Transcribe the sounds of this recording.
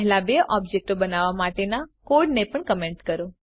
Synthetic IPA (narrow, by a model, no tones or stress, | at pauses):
ɦlabeʔɔbd͡ʒek̚ʈobənaʋamaʈenakoɖnepəɳkəmeɳʈkəɾo